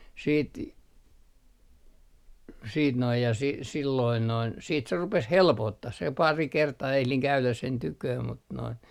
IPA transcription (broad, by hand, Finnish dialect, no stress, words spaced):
siːt siːt noij jɑ si silːoin noin siːt se rupes helpotːɑh se pɑri kertɑː ehliŋ kæylæs sen tykøː mut noin